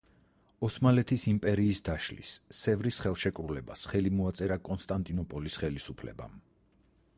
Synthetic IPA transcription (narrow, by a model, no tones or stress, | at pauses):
ɔsmalɛt̪ʰisimpʼɛɾiːsd̪aʃlḭsːɛvɾisχɛlˠʃɛkʼɾulɛbasχɛlimɔat̪sʼɛɾakʼɔnst̪ʼant̪ʼinɔpʼɔlisχɛlisupʰlɛ̰ba̰m